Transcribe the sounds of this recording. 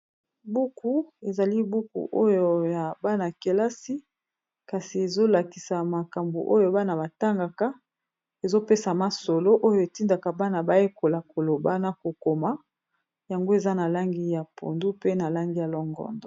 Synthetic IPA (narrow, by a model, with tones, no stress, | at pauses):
bu˦ku˦e˨za˨li˦bu˦kṵ˨ʔo˦jo˨ja˨ba˦na˨ke˨la˦si˦ | ka˨si˨e˨zo˦la˨ki˨sa˨ma˨ka˨mbṵ˨ʔo˦jo˨ba˦na˨ba˨ta˦ŋɡa˨ka˦ | e˨zo˦pe˦sa˨ma˨so˨lo˦ʔo˦jo˨e˨ti˦nda˨ka˨ba˦na˨ba˦je˦ko˨la˨ko˨lo˨ba˦na˨ko˨ko˨ma˦ | ja˨ŋɡo˦e˨za˦na˨la˦ŋɡi˦ja˨pʰo̰˨ndu˦pe˦na˨la˦ŋɡi˦ja˨lɔ˦ŋɡɔ̰˦ndɔ˨